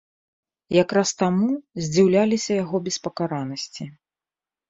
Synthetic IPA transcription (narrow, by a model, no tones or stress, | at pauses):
jakɾast̪amuzʲd͡zʲiwlʲalʲisʲɐjaɣɔbʲɛspɐkaɾanɐsʲt͡sʲi